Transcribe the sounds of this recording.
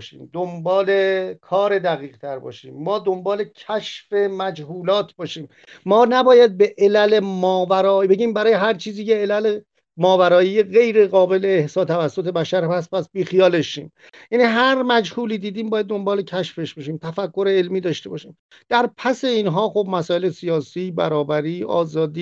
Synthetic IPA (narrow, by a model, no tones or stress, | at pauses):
ʃḭːmd̪ombɒːle̞kʰɒːɾe̞d̪æɣiːɣt̪ʰæɾbɒ̰ːʃḭːmːɒːd̪o̞mbɒːle̞cʰæʃfe̞mæd͡ʒhuːlɒːt̪ʰbɒːʃiːmː | ɒːnæbɒːjæd̪̚be̞ʔelæle̞mɒːvæɾɒːibe̞ɟiːmbæɾɒːjeɦæɾt͡ʃʰiːziːceelæle | mɒːvæɾɒːijeɣe̞jɾeɣɒːbe̞leːhsɒːt̪ʰævæsːot̪ʰe̞bæʃæɾpæs̬̚pæsbiːxijɒːleʃiːm | jæniːɦæɾmæd͡ʒhuːliːd̪iːd̪iːmbɒːjæd̪̚ːo̞mbɒːle̞cʰæʃfe̞ʃb̥eʃiːmt̪ʰæfækːo̞ɾeelmiːd̪ɒːʃt̪e̞bɒːʃiːm | d̪̥æɾpʰæse̞iːnɦɒːxo̞bmæsɒːe̞lesijɒːsiːbæ̰ɾɒːbæɾiːɒ̰ːzɒːd̪iː